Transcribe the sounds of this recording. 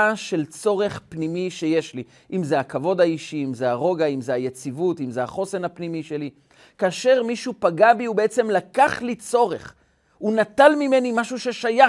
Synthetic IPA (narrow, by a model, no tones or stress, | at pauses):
aʃe̞lt͡so̞ʁe̞χpnimiʃe̞jeʃli | ʔimzeakavo̞d̪aiʃiimzeaʁo̞ɡaimzeajet͡sivut̪imzeaχo̞se̞napnimiʃe̞li | kaːʃe̞ʁmiʃupaɡabiubeet͡se̞mlakaχlit͡so̞ʁe̞χ | unat̪almime̞nimaʃuʃe̞ʃaja